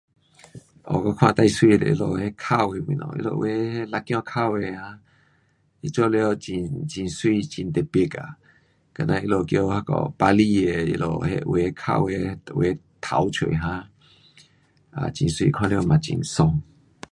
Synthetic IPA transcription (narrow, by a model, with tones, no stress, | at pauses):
ɔ̰˨kɔ˦kʰw̃ã˦˧˨t̪a˥˧˨jswi˥˧˨t̪ḛ˨ʔḭ˦˧lo˨he˦kʰa˥˧˨we˧mwḭ̃˨nɔ̰˨ʔḭ˦lo̰˨we˨˦he˦la˧kːj̃ɔ̃˧kʰa˥˧˨we˧hã˦ | i˦t͡ɕɔ˦ljo˧˨t͡ɕi˧˨nt͡ɕĩ˨nswi˥˧˨t͡ɕi˨nt̪e˨pje˨˧ka̰˨ | ka˨˩nã˧ʔi˦lo˨kjo˧˦ha˦kɔ̰˨pa˧li˦˧˨e˧ḭ˦lo̰˨hḛ˦ʔwe˨˧˦kʰa̰˥˧˨we˧twe˨˦ | t̪ʰa˨˦wt͡ɕʰwḛ˨ɦã˧˦ | a̰˨t͡ɕĩ˨nswḭ˧˨kʰwã˧˨ljo˧˨mã˨t͡ɕḭ˨˩nsɔ˧ŋ